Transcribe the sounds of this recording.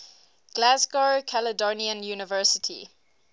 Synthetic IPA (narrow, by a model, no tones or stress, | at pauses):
ɡ̥lazɡɔkʰalədɔniə̃njuːnɪvɜˑsɪtʰḭ